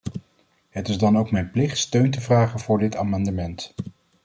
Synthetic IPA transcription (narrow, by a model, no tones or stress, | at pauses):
ɦətɪzdɑnowkmɛjnplɪχtstøɥntəvraːχənvʊːɹdɪtaːmɑndəmɛnt